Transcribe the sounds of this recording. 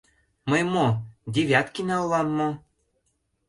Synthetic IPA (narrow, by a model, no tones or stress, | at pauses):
məjmod̪ʲeβʲjæt̪kinɑllɑmːo